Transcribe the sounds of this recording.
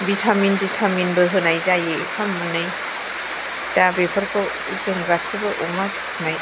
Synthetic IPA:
bitʰaminditʰaminbɯɦɯnajzajɯpʰamːɯnɯj | d̥abepʰɔɾkɔ | zɯŋɡasibɯʔɔŋabisnaj

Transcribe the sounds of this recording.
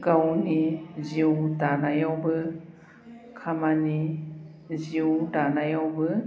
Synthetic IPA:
ɡawniziwdanajawbɯ | kʰamani | ziwdanajawbɯ

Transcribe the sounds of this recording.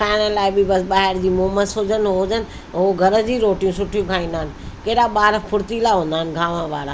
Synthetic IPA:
kʰaːɪɽ̃əlaːɪbɪbɐsɓaːɦɪɾd͡ʑiːmoːməsoːd͡ʑənɪɦoːd͡ʑənɪ̆ | ɦoɡʱɐɾə̆d͡ʑiːɾoːʈijũsʊʈʰijũkʰaːĩːnd̪aɦənɪ̆kɐːɗaɓaːɾpʰʊɾt̪ilaɦõːnd̪aːənɪ̆ɡʱaːʋə̃ʋaːɾa

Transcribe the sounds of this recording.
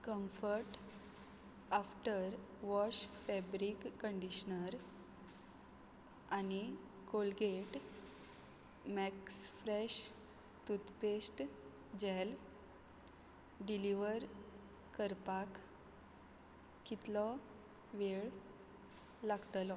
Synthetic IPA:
kəmfəɾʈ | afʈəɾʋɔɕfɛbɾikːəɳɖiɕnəɾ | ani | kolɡeʈ | mɛksfɾɛɕ | t̪ut̪pesʈ | d͡ʑɛl | ɖiliʋəɾ | kəɾpak | kit̪lɔ | ʋeɭ | laɡt̪lɔ

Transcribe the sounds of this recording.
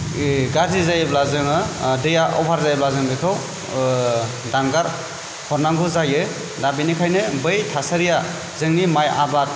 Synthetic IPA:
ɡaɾzizajɯblazɯŋɯdɯjaʔɔ̰bʰʱaɾzajblazɯŋbɯkʰɯw | daŋɡaɾ | hɔɾnaŋɡɯzajɯ | dabinikʰajnɯbɯjtʰasaɾija | zɯŋnimaja̰bat̚

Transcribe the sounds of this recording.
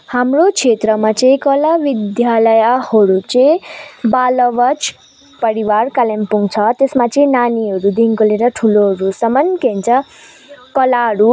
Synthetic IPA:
hamrot͡sʰet̪rʌmat͡sʌ̃ĩkʌlabid̪jalʌjahʌɾut͡sʌ̃balʌbʌt͡s | pʌɾiwarkalempuŋt͡sʰʌt̪esmat͡sʌĩnaniɦʌɾud̪iŋkoleɾʌʈʰuloɦɾusʌmʌnkent͡sʰʌ | kʌlaɦʌɾu

